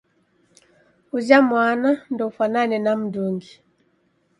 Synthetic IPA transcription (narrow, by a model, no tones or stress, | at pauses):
uzamwanandɔufananɛnam̩duŋɡi